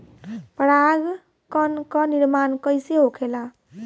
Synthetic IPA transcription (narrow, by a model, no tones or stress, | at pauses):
pəɾaɡ | kʌnkɔniɾmankəjseɦokʰela